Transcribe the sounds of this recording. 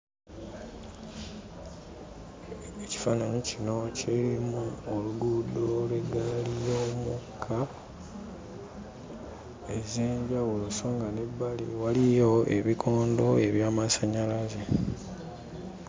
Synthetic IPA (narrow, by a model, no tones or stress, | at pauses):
eci̥fanaɲicino̞ciɾimuoluɡud̪o̞lwe̞ɡalijo̞mukʰːa | ezeːɲɟawuloso̞ːŋɡane̞bːalḭwalijo̞e̞̰βikʰo̞ːndo̞e̞βjaːmasaɲalaze